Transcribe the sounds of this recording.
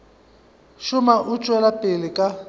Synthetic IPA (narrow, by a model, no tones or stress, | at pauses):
ʃʊmaʔʊt͡ʃʼwɛlapʼɪlɪkʼa